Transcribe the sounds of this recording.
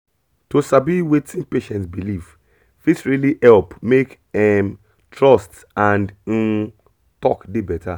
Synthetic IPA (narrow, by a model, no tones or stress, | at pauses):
tosabiwetʰĩnpeʃɛ̃ntsbiliv | fitɹilihɛlpmek | ɛm | tʰɹɔst | ãnd̩ | tɔkdebɛtʰa